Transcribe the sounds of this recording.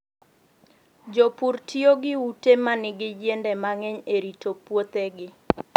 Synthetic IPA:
d͡ʒopurtʰioɡɪutemanɪɡɪd͡ʒendɛmaŋɛɲeɾitopwot̪eɡɪ

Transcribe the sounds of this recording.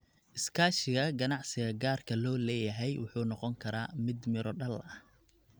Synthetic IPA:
ʔɪskʰaːʃɪɣɐɡɐnɑʕsɪɣɐɡaːrkʰɐlɔːlɛːjɐɦɛjwʊ̰ħuːnɔqɔŋkʰɐɾaːmɪd̪mɪɾɔɖɐlɐh

